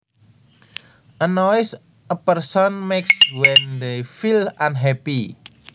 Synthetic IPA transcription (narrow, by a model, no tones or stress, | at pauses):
ʔənɔɪs | ʔəpərsɔnmekswɛnd̪ejfilãnɦɛpi